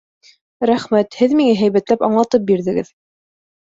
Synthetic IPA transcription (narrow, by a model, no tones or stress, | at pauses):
ɾæχmæt̪hɘðmiŋæɦæjβæt̪læpɑ̰ɴlˠɑt̪ɤp̚biɾðɘ̆ɡɘ̰ð